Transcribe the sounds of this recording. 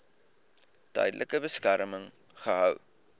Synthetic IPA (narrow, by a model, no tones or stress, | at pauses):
tœ̰jdəlʔəkəbəskæɾməŋ | χəɦœw